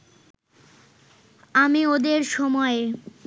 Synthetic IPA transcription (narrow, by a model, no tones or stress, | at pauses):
amiod̪eɾʃɔmɔe